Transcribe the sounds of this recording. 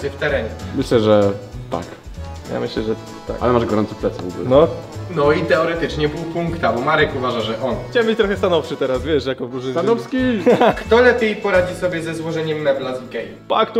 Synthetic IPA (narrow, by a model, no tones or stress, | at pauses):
ɛft̪ɛɾɛɲɛmɘɕlɛʐɛt̪a̰k | ja̰mɘɕlɛʐɛ | t̪ːa̰ka̰lɛmaʐɡɔɾɔnt̪sɛplɛt̪sɛvɔɡṵlɛnɔnɔit̪ɛɔɾɛt̪ɘt͡ʂɲɛbɘwpuŋkt̪abɔmaɾɛkuvaʐaʐɛʔɔnxt͡ɕawɛmbɘt͡ɕt̪ɾɔxɛst̪anɔfʂɘt̪ɛɾasvʲjɛʂjakɔvɾuʐnɛjzst̪anɔfskʲikt̪ɔlɛpʲjejpɔɾad͡ʑisɔbʲjɛzɛzwɔʐɛɲɛmːɛblazɡɛjupakt̪u